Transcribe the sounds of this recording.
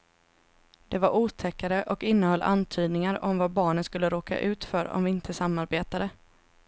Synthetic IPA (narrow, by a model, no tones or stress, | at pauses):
d̪̥ɛvaɾʔuːt̪ʰɛkːaɾəʔɔkɪnːəhœlːʔa̰nt̪ʰyːd̪nɪŋaɾɔmvabɑːɳənskɵlːəɾoːka̰ʔʉ̟ːt̪fœɾɔ̰mvɪɪnt̪ʰəsamːaɾbeːt̪ad̪ə